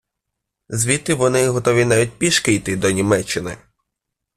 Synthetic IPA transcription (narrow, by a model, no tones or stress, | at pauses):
zʋʲit̪ːɪʋɔnɪɦɔt̪ɔʋʲinajʲit̚ʲpʲiʃkɪjt̪ɪd̪ɔnʲimɛt͡ʃːɪnɪ̰